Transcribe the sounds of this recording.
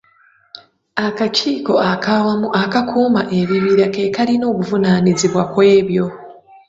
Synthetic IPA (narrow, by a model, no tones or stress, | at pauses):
akaciːko̞akʰawamuʔakakʰuːmaʔe̞βiβiɾake̞kaɾino̞ːkuvunaniziβwakwe̞ːβjo̞